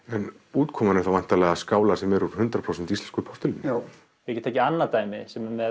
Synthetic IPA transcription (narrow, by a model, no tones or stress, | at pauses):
ɛn | uːt̪kʰɔːmanʏθawvajn̥t̪alɛːɣaskaːwlasɛmɛɾuɾhʏnt̪ɾapʰɾowsɛnt̪ist̪ɛnskʏɾpʰɔr̥t̪ɪln | vɪɛcɛt̪ʰaːcːɪanːat̪aːjmɪsɛmmɛ